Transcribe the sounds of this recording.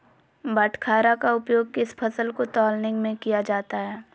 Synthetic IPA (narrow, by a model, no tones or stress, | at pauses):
bəʈʰkʰaːɾakaʊpjoːɡ̚kɪspʰɐsəlkot̪ɔːlnɪ̃ŋɡmẽkijad͡ʒaːt̪aɦɛː